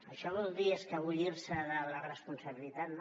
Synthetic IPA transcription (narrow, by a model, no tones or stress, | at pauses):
əʃɔβɔlˠd̪ieskəβuʎiɾsəðələrəspunsəβilit̪at̪n